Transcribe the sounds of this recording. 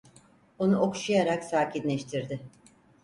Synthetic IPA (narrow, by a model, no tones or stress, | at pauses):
onuoku̥ʃujaɾaksaːcʰinlʲɛʃt̪ʰiɾd̪ɪ